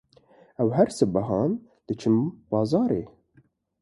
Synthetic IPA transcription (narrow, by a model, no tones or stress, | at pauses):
ɛwhæɾsɨbɐɦɑːn | d̪̥ɨt͡ʃʰɨmbɑːzɑːɾeː